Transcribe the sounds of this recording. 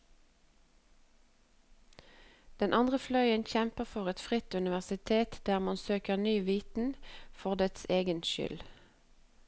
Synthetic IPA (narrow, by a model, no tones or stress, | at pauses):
d̪̥ɛnʔɑnd̪ʁəflœʏənçɛmpəʁfɔʁɛt̪fʁɪt̪ʉnɪʋæʁsɪt̪ʰeːt̪d̪æːʁmɑnsøːkəʁnyːʋiːt̪n̩fɔʁd̪ɛt̪seːɡənʃʏ̰l